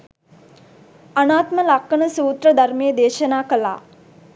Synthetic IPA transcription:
anaːt̪məlakːənəsuːt̪ɾəd̪ʱarmejəd̪eːʃənaːkəla̰ː

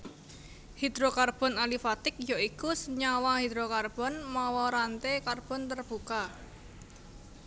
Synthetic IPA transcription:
hid̪̥ɾokarb̥ɔ̤nalifat̪ɪk̚joikusəɲawahid̪ɾokarb̥ɔ̤nmawɔɾant̪ekarb̥ɔ̤nt̪ərb̥uka

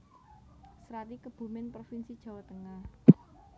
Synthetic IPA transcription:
sɾat̪ikəb̥ṳmɪnpɾofinsid̥ʒ̥ä̤wat̪əŋah

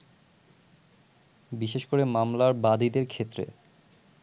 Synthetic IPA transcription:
biʃeʃkoɾemamlaɾbad̪id̪eɾkʰet̪ːɾḛ

